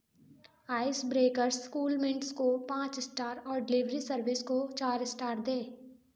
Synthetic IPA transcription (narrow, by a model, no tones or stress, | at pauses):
aːɪsbɾeːkəɾskuːlmɪ̃ɳʈskopãːt͡ʃɪsʈaːɾɔːɾɖɪlɪʋɾisəɾʋɪskot͡ʃaːɾɪsʈaːɾd̪ẽː